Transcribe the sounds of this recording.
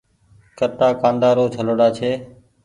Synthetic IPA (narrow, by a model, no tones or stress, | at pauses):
kət̪aːkãːnd̪aːɾoːt͡ʃʰəloːɽaːt͡ʃʰeː